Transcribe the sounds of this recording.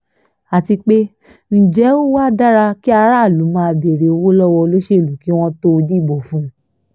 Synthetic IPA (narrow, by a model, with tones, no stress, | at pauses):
a˨ti˧k͡pe˦ | n̩˦d͡ʒɛ˨˦o˦wa˦da˦ɾa˧ki˦a˧ɾa˦˨lu˨˦mãː˧˨be˨ɾe˨o˧wo˦lɔ˦wɔ˧o˧lo˦ʃe˦˨lu˨˦ki˦w̃ɔ̃˦to˦o˧di˦˨bo˨fũ˦